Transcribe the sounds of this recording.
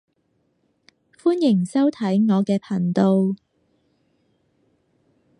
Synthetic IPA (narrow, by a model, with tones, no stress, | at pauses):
fuː˥njɪ˨˩ŋsɐ˥wt̪ʰɐ˨˥jŋɔː˨˧kɛː˧pʰɐ˨˩nt̪o˧w